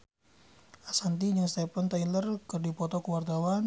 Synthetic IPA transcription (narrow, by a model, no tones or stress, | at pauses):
ʔasant̪id͡ʒəŋst̪ɛpənt̪ailərkərdipɔt̪ɔkəwart̪awan